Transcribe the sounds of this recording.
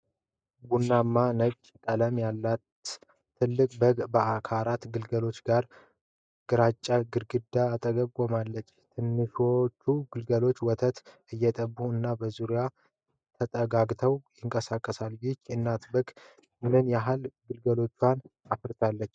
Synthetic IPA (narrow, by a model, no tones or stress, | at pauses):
bunːamːanəɡt͡ʃʼkʼələmjalːat̪ʰː | ɨlːɨkʼbəɡbəakʰalat̪ɡɨlɡəlo̞t͡ʃːɡaɾ | ɡ̥ɨɾat͡ʃʼːaɡɨɾɡɨd̪aːt̪ʼəɡəkʼomalːət͡ʃːt̪ʰɨnːɨʃot͡ʃːuɡɨlɡəlo̞t͡ʃːwɔt̪ʰət̪ | ɨjːɛt̪ʼəbuɨnːabəzuɾja | t̪ʰət̪ʼəɡaɡt̪ʰəwjɪŋkʼəsakʼːəsaljɪt͡ʃːɨnːat̪bəɡ | mɨnɨnjaɦalɡɨlɡəlo̞t͡ʃːwanafɨɾt̪ʰalːət͡ʃː